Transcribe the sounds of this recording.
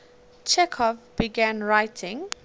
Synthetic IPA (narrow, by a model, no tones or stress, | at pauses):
t͡ʃʰɛkʰɔvbiɡæ̃nɹaɪtʰɪ̃ŋ